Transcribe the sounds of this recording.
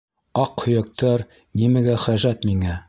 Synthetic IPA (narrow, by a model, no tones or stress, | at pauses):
ɑqhɵ̆jæk̚t̪ʰɑɾ | nimæɡæχæʒæt̪miŋæ